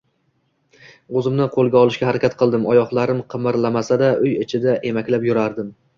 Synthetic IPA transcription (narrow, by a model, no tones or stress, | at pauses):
ozɪmnɪqʰolˠɡʲaɒlˠɪʃkʲahaɾakʲat̪̚qʰɨlˠd̪ɪmɒjɒhlˠaɾɪmqʰɨmɪɾlamasad̪aʔʊjɪt͡ʃʰɪd̪aʔe̞makʲlapjʊɾaɾd̪ɪm